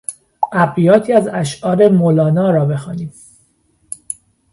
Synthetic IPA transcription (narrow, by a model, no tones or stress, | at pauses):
ʔæbijɒːt̪ʰiːæzæʃʔɒːɾe̞molɒːnɒːɾɒːbe̞xɒːniːm